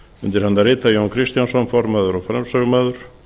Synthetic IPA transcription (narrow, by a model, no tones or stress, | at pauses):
ʏnt̪ɪɾhant̪arɪːt̪ajownkʰɾɪst̪jansɔnfɔɾmaːðʏɾɔɣfɾɛ̰msœɣʏmaːðʏɾ̥